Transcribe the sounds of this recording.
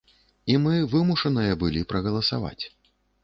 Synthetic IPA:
imɨvɨmuʂɐnɨjɐbɨlʲipɾɐɣɐlˠɐsa̰va̰t͡sʲ

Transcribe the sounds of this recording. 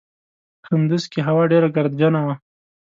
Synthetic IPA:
kʰʊnd̪uskeɦawɑɖeɾaɡaɾd̪̚d͡ʒanawa

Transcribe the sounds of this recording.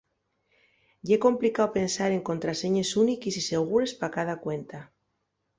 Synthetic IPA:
ɟ͡ʝeko̞mplikaope̞nsaɾe̞ŋko̞nt̪ɾase̞ɲe̞sunikisiseɣ̞uɾe̞spakað̞akwe̞nt̪a

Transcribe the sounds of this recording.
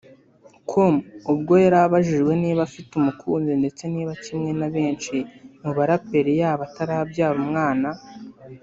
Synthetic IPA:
kʰomubɡo̞jaɾaβaʒiʒɡwe̞niːβafitumukʰuːnzinde̞t͡se̞niːβacimŋe̞naβe̞ːnt͡ʃimuβaɾape̞ɾijaːβataɾaabɟaːɾumŋaːna

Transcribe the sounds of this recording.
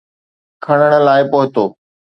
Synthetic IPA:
kʰɐɽ̃əɽ̃ə̆laːɪpoɦɪt̪oː

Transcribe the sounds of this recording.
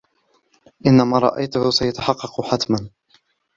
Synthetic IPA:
ʔɪnːamaːɾˤɑ̰ʔa̰jt̪ʊhʊsajat̪aħɑqːɑqʊħat̪man

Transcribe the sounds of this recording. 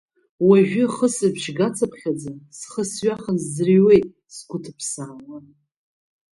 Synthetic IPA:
waʒᶣʊχəsɨbʒɡat͡sʰʼapʰχʲad͡zasχəsɥaχənzriwejtʼ | skʷʊtʰɨpʰsaːwan

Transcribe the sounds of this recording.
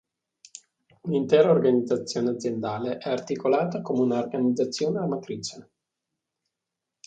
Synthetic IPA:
unint̪eːɾaorɡanid̪zat̪sːjoːnead̪zjend̪aːleʔɛart̪ikolaːt̪akomeunaorɡanid̪zːat̪sːjoːneamat̪ɾiːt͡ʃe

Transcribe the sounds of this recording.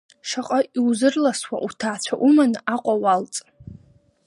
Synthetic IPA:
ʂaqʼaiwzɨrlaswa̰ʔutʰaːt͡ɕʷʰaʔumanʔaqʷʼawalt͡sʼ

